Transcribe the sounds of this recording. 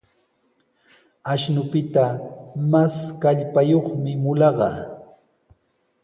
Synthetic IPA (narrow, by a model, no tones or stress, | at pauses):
aʃnʊpɪt̪amaskaʎpajoχmɪmʊlɑɢɑ̰